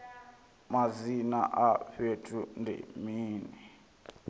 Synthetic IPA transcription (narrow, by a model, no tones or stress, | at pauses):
mazina̰ʔaɸetʰʼundʱɛ̰miːnɛ